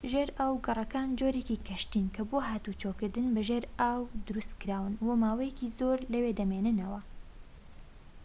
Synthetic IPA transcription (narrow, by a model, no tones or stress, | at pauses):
ʒeːɾʔaːwɡɐrˤɐkaːnd͡ʒoɾekikʰɐʃt̪inkʰɐboːɦaːt̪ut͡ʃʰokɨɾd̪ɨnbɐʒeːɾaːwd̪ʊɾust̪kɨɾaːwɨnwɐmaːwɐjɛkizoɾlɐweːd̪ɐmeːnɨnɐwɐ